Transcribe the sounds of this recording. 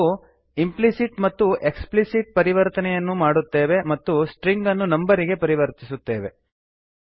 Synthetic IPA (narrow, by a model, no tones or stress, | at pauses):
u | implisiʈmɐt̪ːuʔe̞ksplisiʈ̚pɐɾiʋɐɾt̪ɐnɛjɐnːumaːɽut̪ːe̞ːʋe̞mɐt̪ːusʈɾiŋɡɐnːunɐmbɐɾiɡe̞pɐɾiʋɐɾt̪isut̪ːeːʋe̞